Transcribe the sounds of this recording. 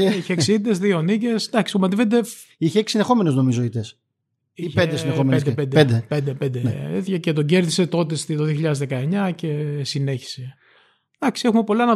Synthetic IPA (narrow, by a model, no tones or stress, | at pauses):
içeksid̪ezðio̞nice̞sd̪ɐksi̥pomɐt̪ived̪e | içeeksisinexo̞menezno̞mizoit̪es | iend̪esneomed̪epend̪ed̪epend̪epend̪eeθiçecet̪oɟe̞ɾðise̞t̪o̞t̪est̪it̪oðioçiʎɐðezðe̞kɐeɲɐce̞sine̞çi̥se̞ | d̪̥ɐksie̞xume̞po̞lɐnɐ